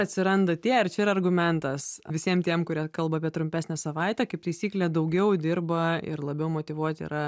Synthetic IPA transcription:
ɐt̪ʲsʲɪɾɐnd̪ɐt̪ʲiɛɪɾt͡ʃʲɛɪɾɐrɡʊmʲɛnt̪ɐsʋʲɪsʲiɛmt̪ʲiɛmkʊɾʲiɛkɐlˠbɐaːpʲiɛt̪ɾʊmʲpʲæːsʲnʲɛsɐʋɐˑɪt̪ʲɛkɐɪp̚t̪ɐɪsʲiːklʲɛd̪ɐʊɡʲɛʊd̪ʲɪɾbɐɪ̰rlˠɐbʲɛʊmot̪ʲɪʋuɔt̪ʲḭɾɐ

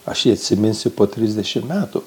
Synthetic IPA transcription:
ɐʃjiːɐt̪ʲsʲɪmʲɪnʲsʲʊpoːt̪ʲɾʲɪzʲd̪ʲɛʃʲɪmmʲæːt̪ʊ

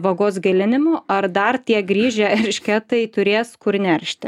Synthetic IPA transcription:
ʋɐɡoːsɡʲɐlʲɪnʲɪmoʔɐɾd̪ɐrt̪ʲiɛɡɾʲiːʒʲɛɛɾʲʃʲkʲɛt̪ɐɪt̪ʊɾʲeːskʊɾnʲɛɾʲʃʲt̪ʲɪ

